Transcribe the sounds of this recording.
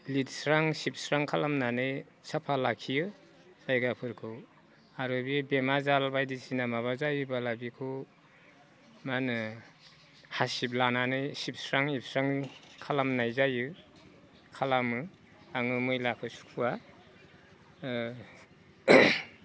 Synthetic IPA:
litsɾaŋsip̚sɾaŋkʰalamnanɯj | sapʰalakʰijɯ | sajɡapʰɯɾkʰɯw | aɾubibemazalbajdisinamaβazajɯbalabikʰu | manɯ | hasip̬̚lananɯjsip̚sɾaŋip̚sɾaŋkʰalamnajzajɯ | kʰalamɯ | aŋɯmɯjlakʰɯsu̥kʰua

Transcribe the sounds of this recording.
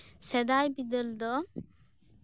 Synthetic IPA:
sɛd̪ajbid̪əld̪ɔ

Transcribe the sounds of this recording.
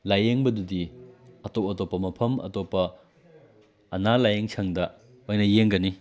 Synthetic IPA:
lajeŋbɐdudiɐtowɐtopːɐmɐpʰɐmɐ̰topːɐ | nalajeŋt͡ʃʰɐŋdɐ | ojnɐjeŋɡɐni

